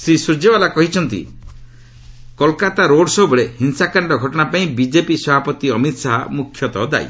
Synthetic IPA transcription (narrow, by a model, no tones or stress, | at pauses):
sɾisuɾd͡ʒebalakɔɦit͡ʃʰɔnt̪ḭ | kɔlkat̪aɾoɽsɔɦubɔɭehinsakaɳɖɔɡʱɔʈɔɽ̃apaĩbid͡ʒepisɔbʱapɔt̪iɔmit̪saɦamukʰjɔt̪ɔd̪a̰j̰